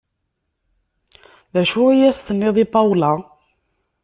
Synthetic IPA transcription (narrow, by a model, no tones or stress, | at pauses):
ðæʃʊijæst̪ənːɪðˤipɑwlɑ